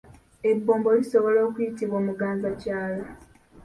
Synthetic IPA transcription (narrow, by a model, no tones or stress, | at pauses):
e̞bːo̞ːmbo̞liso̞βo̞lo̞ːkujitiβo̞ːmuɡaːnzacaːla